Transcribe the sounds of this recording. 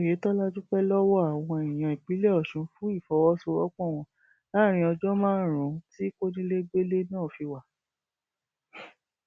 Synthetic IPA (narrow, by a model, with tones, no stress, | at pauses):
je˨˦tɔ˦la˦d͡ʒu˦k͡pɛ˦lɔ˦wɔ˦a˦˨w̃ɔ̃˧e˨ĩ˨j̃ã˨i˨k͡pi˨˦le˦ɔ˦˨ʃũ˨˧fũ˦i˦˨fɔ˨˦wɔ˦so˧ɔ˦k͡pɔ̃˦˨w̃ɔ̃˧ | la˦ɾ̃ĩ˧ɔ˧d͡ʒɔ˦mãː˦˨ɾ̃ũ˨˦ti˦ko˦nĩ˦le˦ɡ͡be˦le˦nãː˦˨fi˧wa˨